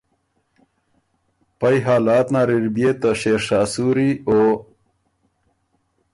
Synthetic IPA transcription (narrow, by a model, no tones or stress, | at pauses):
pajɦaːlaːt̪naːɾiɾbiet̪aɕeːɾʂaːsuɾio